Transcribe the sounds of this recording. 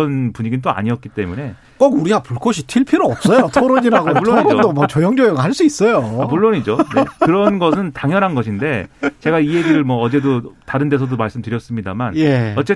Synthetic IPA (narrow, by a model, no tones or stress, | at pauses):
ʌnpuɲiɡint̬͈oa̰ɲiʌt̚k͈̚it͈e̞mune̞ | k͈okuɾiɡapuɭk͈ʌɕ̬ʰitʰiɭpʰiɾoʌp̚s͈ʌjotʰoɾoɲiɾaɡouɭːoiodomat͡ɕʌjʌŋd͡ʑojʌŋhaɭs͈uis͈ʌjoamuɭːoɲid͡ʑoneɯɾʌnɡʌsʰɯntaŋjʌnɦanɡʌɕʰinde̞t͡ɕe̞ɡaije̞ɡiɾɯɭmʌʌd͡ʑe̞dotaɾɯnde̞s̬ʰʌdomaɭs͈ɯmtɯɾjʌs͈ɯmɲida̰manjeʌt͡ɕ͈e